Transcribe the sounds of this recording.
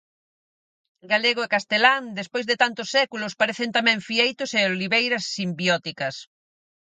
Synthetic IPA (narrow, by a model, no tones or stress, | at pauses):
ɡaleɣoekast̪elaŋd̪espojzðet̪ant̪ʊsːɛkulʊspaɾeθent̪amɛ̃ɱfiejt̪ʊseoliβejɾɐsːimbiɔt̪ikɐs